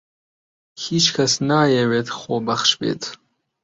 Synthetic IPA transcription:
hiːt͡ʃkʰɐsnaːjeweːt̪ʰχoːbɐχʃbḛːt̪ʰ

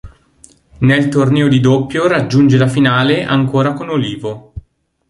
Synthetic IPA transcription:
nelt̪ornɛːod̪id̪opːjoɾad͡ʒːund͡ʒelafinaːleʔaŋkoːɾakonoliːvo

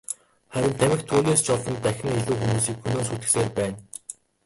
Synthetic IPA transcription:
χæɾʲɪ̆nt̪ʰæmʲɪ̆xt̪ʰuːnʲeːst͡ɕʰɔɮɮɞ̆nt̪æxʲɪ̆ŋiɮuːxumuːsiːkxɵnoːsuːt̪ɘ̆kseːrpæːn

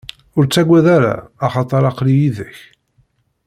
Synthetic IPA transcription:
ʊɾt͡sːæɡʷːæðaɾa̰ːχɑt̪ˤɑɾˤɑqlijiðəç

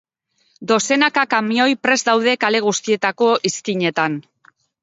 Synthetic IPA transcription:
d̪o̞se̞nakakamio̞jpɾe̞zd̪awðe̞kale̞ɣ̞ust̪ie̞t̪ako̞ʔiskiɲe̞t̪an

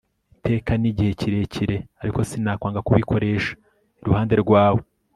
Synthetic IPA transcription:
ite̞ːkaniɟihe̞ciɾe̞ciɾe̞aɾiko̞sinaːkwaːŋɡakuβikʰo̞ɾe̞ːʃḁ | iɾuhaːnde̞ɾɡwaːwo̞

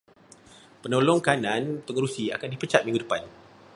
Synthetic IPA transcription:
pənolɔŋkanãnpəŋəɾusia̰kandipət͡ʃat̪̚miŋɡudəpan

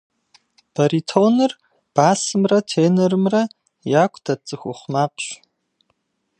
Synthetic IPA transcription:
b̥ɐɾitʰonɨr | b̥aːsɨmrɐtʰeːnɐɾɨmrɐ | jakʷʼdɐt͡sʼɨxʷʊχʷmapʰʼɕ

